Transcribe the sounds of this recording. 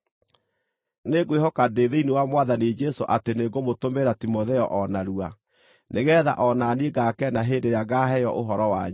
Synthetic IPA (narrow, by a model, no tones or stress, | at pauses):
neɡwehɔkadeðeinewamwaðanid͡ʒɛsoʔateneɣomotomeɾatimoðɛɔʔɔnaɾua | neɣɛːða̰ʔɔnaːnieɡakɛnaɦendeɾeaɣaɦɛjɔ̰ʔoɦɔɾɔwa̰ɲu